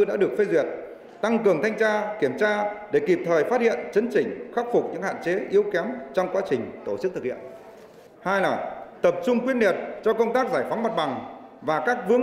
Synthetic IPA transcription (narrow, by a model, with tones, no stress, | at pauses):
ɗa̰ː˧˥ɗɨ˨˩ək̚fe˧zwi˨˩ət̚ | t̪a˧ŋkɨ˨˩əŋt̪ʰa˧jŋ̟t͡ɕaː˧ki˧˩əmt͡ɕaː˧ɗe˧˩ki˨˩p̚t̪ʰəː˨˩jfaː˦˥t̚hḭ˧˨ənt͡ɕə˨˦nt͡ɕï˨˩ŋ̟xa˦˥k̚fʊ˨˩k͡p̚ɲɨ̰˧˥ŋha̰ː˧˨t͡ɕe˨˦ʔi˨˦əwkɛ˨˦mt͡ɕɔ˧wŋ͡mkwaː˨˦t͡ɕï˨˩ŋ̟t̪o˧˩t͡ɕɨ˦˥k̚t̪ʰɨ˨˩k̚ʰhḭ˧˨ən | haː˧jlaː˨˩t̪ə˨˩p̚t͡ɕʊ˧ŋ͡mkwi˧ənli˨˩ət̚t͡ɕɔ˧kə˧wŋ͡mt̪aː˦˥k̚zaː˧˩jfa˨˦ŋ͡mm˨˩t̚ɓa˨˩ŋvaː˨˩kaː˦˥k̚vɨ˨˥ə